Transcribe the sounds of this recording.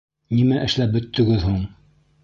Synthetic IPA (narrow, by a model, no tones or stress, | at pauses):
nimæʔɘ̆ʃlæp̚bɵ̆t̪ʰːɵ̆ɡɘðhuɴ